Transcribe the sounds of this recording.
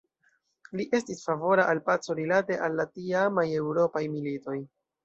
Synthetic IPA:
liʔe̞stisfavo̞ɾaʔalpat͡so̞ɾilate̞ʔalːatiamaje̞wɾo̞pajmilito̞j

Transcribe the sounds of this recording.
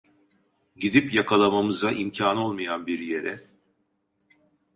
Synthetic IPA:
ɟid̪ipjakʰalˠamamɯzaʔimcʰaːno̞lˠmajanbiɾje̞ɾɛ

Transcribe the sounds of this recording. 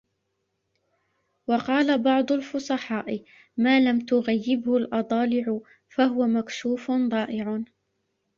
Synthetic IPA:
wɑqɑːlabɑʕd̪ˤʊlfʊsˤɑħɑːʔɪ | maːlamt̪ʊɣajːɪbhʊlʔɑd̪ˤɑːlɪʕʊ | fahʊwamakʃuːfnd̪ˤɑːʔɪʕʊ

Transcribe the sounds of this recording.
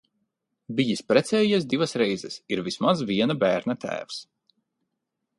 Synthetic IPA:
bijispɾɛt̪sʲɛːjas̬d̪ivasɾɛjzɛsiɾvismazvʲiɛnabæːɾnat̪ʰæ̰ːfs

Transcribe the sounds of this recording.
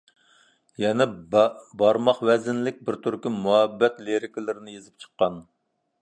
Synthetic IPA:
jɛnɛbɑɾmɑχwɛzɪnlɪk̚ʲbɪɾt̪ʰyɾkʲimuɦɛbːɛt̪leɾɪkʲɪlɪɾɪnɪjezɪp̚t͡ʃʰə̥qːɑn

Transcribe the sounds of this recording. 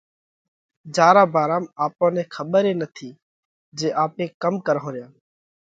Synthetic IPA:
d͡ʒaːɾaːbaːɾaːmaːpõːnɛ̃ːkʰəɓəɾeːnət̪ʰiː | d͡ʒeːʔaːpẽːkəmkəɾɦõːɾɪjãː

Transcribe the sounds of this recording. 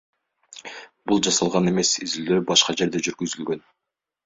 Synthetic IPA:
bulˠd͡ʒɑsɑlˠʁɑne̞me̞sizild̪øːbɑʃqɑd͡ʒe̞ɾd̪e̞d͡ʒyɾɡyzylɡø̞n

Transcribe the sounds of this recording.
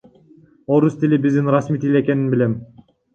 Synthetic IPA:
o̞ɾust̪ilʲibizd̪inɾasmiːt̪ilʲeke̞ninbile̞m

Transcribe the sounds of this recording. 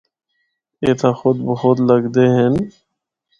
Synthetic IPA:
eːt̪ʰãːxʊd̪̚bəɦʊt̪ləɡd̪eːɦen

